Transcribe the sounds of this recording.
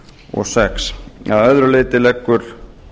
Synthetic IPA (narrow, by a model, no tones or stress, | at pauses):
ɔ̰ɣsɛksaðœðɾʏleːjt̪ɪlɛkːʏɾ̥